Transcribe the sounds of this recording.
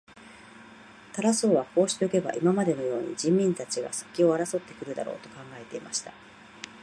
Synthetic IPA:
t̪aɾaso̞ːβako̞ːɕi̥t̪e̞o̟ke̞ba̰ʔimamad̪e̞no̞jo̞ːɲ̟ḭd͡ʑĩmːʲĩnt̪at͡ɕiɡa̰sɨ̥kʲio̞aɾaso̞t̪ːe̞̥kɯ̟ɾɯ̟d̪a̰ɾo̞̰ːt̪o̞kãŋɡae̞t̪e̞ima̰ɕi̥t̪a

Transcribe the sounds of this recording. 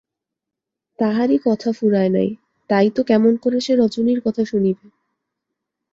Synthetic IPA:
t̪aɦaɾikɔt̪ʰafuɾaena̰j | t̪ajt̪okɛmonkoɾeʃeɾɔd͡ʑoniɾkɔt̪ʰaʃunibe

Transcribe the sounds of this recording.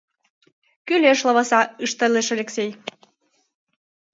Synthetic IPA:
kyleʃlɤβɤsɑɯʃt̪ə̆leʃɑlʲeksej

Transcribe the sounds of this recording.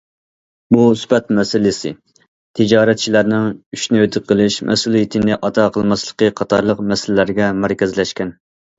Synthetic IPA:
buspɛt̪mɛsɪlɪsɪ̰ | t̪ʰɪd͡ʒɑːɾɛt̪̚t͡ʃʰilæɾnɪŋyʃnyøt̪ʰɪqʰəlˠɪʃmʔɛ̰sulˠijit̪ʰɪnɪʔɑt̪ʰɑqʰəlˠmɑslˠə̥qəqʰɑt̪ʰɑ̰ɾlˠəqmɛsɪlɪlæɾɡʲɛmæɾkʲɛzlɛʃkʲɛn

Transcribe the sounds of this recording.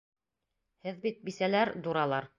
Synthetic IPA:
hɘðbit̪̚bisælæɾd̪uɾɑlˠɑɾ

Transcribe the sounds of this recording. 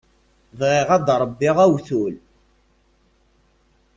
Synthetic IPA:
vʁɪʁæd̪ɾˤəbːiʁæwθul

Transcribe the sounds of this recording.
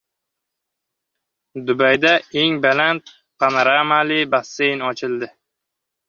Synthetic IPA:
d̪ʊbajd̪aeŋbalant̪̚ | pʰanaɾamalɪbasːejnɒt͡ʃʰɪld̪ɪ

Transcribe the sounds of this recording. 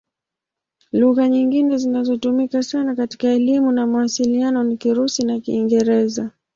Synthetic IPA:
luɣaɲiŋɡinɛzinazɔtumikasanakati̥kaɛlimunamawasilianɔnikiɾusinakiːŋɡɛɾɛza

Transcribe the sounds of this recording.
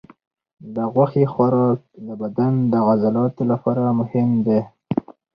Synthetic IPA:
d̪əɣwaxixwaɾɑk̚d̪əbad̪and̪əɣazalɑt̪olapɑɾamʊhɪmd̪e

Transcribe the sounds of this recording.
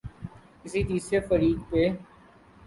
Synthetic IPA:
kɪsid̪iːsɾefəɾiːd̪̚peː

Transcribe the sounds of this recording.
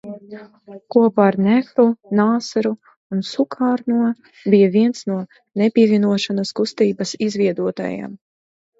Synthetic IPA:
kuɔpaːɾnɛxɾunaːsaɾu | unsukʰaːɾnuɔ | bijaviɛnsnuɔ | nepʲiɛvʲiɛnuɔʃanaskust̪iːbɐsizvʲiɛd̪uɔt̪a̰ja̰m

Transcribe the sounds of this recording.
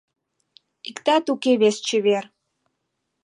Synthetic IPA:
ikt̪at̪ukeβest͡ɕeβer

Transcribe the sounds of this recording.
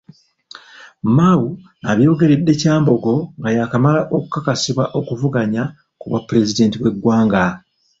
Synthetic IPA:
mawu | aβjo̞ːɡe̞ɾe̞dːe̞caːmbo̞ɡo̞ŋɡajakamalaʔo̞ku̥kakasiβwaʔo̞kuvuɡaɲa | kuβwa̰pːɾe̞zide̞ːntiβwe̞ɡːwaːŋɡa

